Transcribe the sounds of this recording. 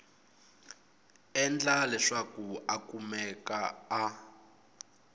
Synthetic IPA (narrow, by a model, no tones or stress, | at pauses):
ɛnd͡ɮalɛʂakuakumɛkaː